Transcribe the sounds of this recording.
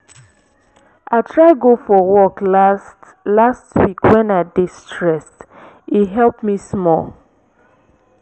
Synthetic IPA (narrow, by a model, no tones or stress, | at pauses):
aɪtʰɹaɪɡofɔwɔklst | lastwikwɛ̃naɪdistʰɹɛst | iɦɛlˠpmismɔ̰l